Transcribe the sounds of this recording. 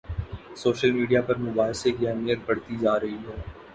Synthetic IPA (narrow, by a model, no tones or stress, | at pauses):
soːʃəlmiːɖijapɐɾmʊbaːɦsekiɛmijət̪̚bɐɽt̪id͡ʒaːɾɐɦiɦɛ̃ː